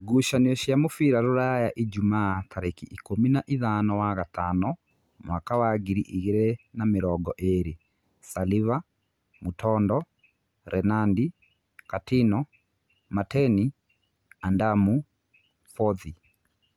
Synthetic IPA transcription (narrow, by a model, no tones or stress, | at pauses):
ɡuʃaniɔʃjamofiɾaɾoɾajaʔid͡ʒumaːtʰaɾekiʔikominaʔiðanɔwaɣatanɔ | mwakawaɡiɾiʔiɣeɾenameɾɔɡɔʔeɾe | saliva | mutʰɔndɔ | ɾʔɛnandi | katinɔ | matɛni | andamu | fɔði